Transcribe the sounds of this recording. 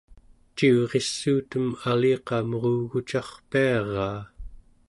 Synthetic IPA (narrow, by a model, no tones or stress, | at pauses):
t͡ʃiuʁe̞sːuːt̪əmaliːqɑmʁuɣut͡ʃɑχpiɑʁɑː